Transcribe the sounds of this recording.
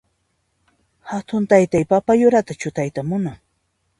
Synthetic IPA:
hat̪ʊnt̪ajt̪ajpapajʊɾat̪at͡ʃʊt̪ajt̪amʊnaŋ

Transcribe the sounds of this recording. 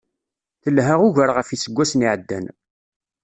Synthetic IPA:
θəlɦaʁʊʝəɾʁəfisəɡʷːæsniʕəd̪ːæ̰n

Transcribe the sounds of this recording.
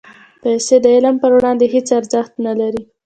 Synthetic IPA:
pajsed̪əɪləmpəɾwɽɑnd̪eɦet͡saɾzəxt̪nalaɾi

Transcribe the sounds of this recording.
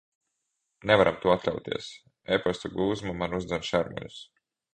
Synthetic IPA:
nevaɾamt̪uɔat̪lʲʎʲa̰wt̪ḭɛs | epast̪uɡuːzmamanuzd̪zɛnʃaɾmɔ̰ʎṵs

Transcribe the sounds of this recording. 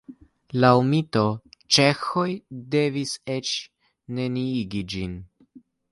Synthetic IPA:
lawmito̞t͡ʃe̞xo̞jde̞vise̞t͡ʃ | ne̞niiɡid͡ʒin

